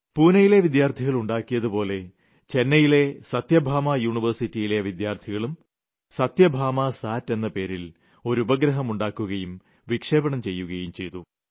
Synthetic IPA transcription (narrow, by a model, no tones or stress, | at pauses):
puːnɐjile̞ʋid̪jaːrt̪ʰiɣɐɭuɳɖaːkːijɐðupo̞ːle̞ | t͡ɕe̞nːɐjile̞sɐt̪jɐbʱaːmajuːɳiʋɐrsitːijile̞ʋid̪jaːrt̪ʰiɣɐɭum | sɐt̪jɐbʱaːmasaːtːe̞nːɐpe̞ːɾil | o̞ɾubɐɡɾɐɦɐmuɳɖaːkːuɣɐjum | ʋikʂe̞ːbɐɳɐmt͡ɕe̞jːuɣɐjumt͡ɕe̞jt̪u